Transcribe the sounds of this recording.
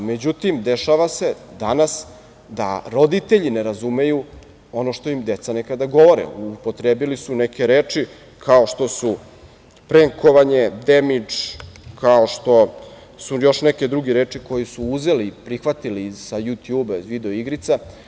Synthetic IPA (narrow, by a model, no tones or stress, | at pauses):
me̞d͡ʑut̪imd̪eʃaʋase̞d̪anas | d̪a̰ɾo̞d̪it̪eʎine̞ɾazume̞ju | o̞noʃt̪o̞imd̪e̞t̪sanekad̪aɡo̞ʋo̞ɾḛupot̪ɾeːbilisuneke̞ɾeːt͡ʂi | kʰaoʃt̪o̞su | pɾeŋko̞ʋaɲed̪emit͡ʂkʰaoʃt̪o̞ | sujo̞ʃneke̞d̪ɾuɡeɾeːt͡ʂiko̞jisuuze̞lipɾixʋat̪ilisajut̪juːbaizʋid̪e̞oiɡɾit̪sa